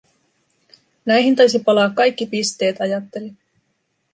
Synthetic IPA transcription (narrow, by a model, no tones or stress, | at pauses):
næjɦint̪ɑjsipɑlɑːkːɑjkːipist̪e̞ːt̪ɑjɑt̪ːe̞li